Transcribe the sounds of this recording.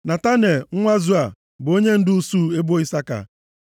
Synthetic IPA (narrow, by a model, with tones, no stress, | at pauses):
na˨ta˦ne˨ŋ̩˦ŋʷa˦zu˦a˨ | bʊ˨o˦ɲe˦n̩˦dʊ˦u˦su˦e˦bo˦i˦sa˦ka̰˨